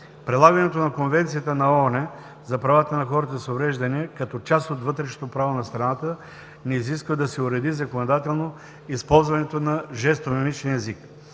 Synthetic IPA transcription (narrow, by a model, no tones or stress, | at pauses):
pɾɛlˠaɡɐnɛt̪onɐkonvɛnt̪sijət̪ənɐonɛ | zɐpɾɐvat̪ənɐxɔɾət̪əsovɾɛʒd̪ɐniɛkɐt̪ɔt͡ʃast̪ot̪vɤt̪ɾɛʃe̥t̪opɾavonɐst̪ɾɐnat̪ə | nɛiziskvəd̪ɐsɛʊɾɛd̪izɐkonod̪at̪ɛlˠno | ispɔlˠzvɐnɛt̪onɐʒɛst̪omɛmit͡ʃniɛzik